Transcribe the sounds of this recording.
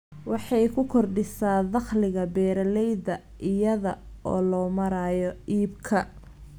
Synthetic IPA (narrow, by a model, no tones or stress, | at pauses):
wɑħɑjkʰʊkʰɔrɖɪsaːðɑχlɪɣɐbɛːɾɐlɛjðɐ | ʔɪjɐðɐɔ̰ːlɔːmɐɾaːjɔʔiːbkʰɐ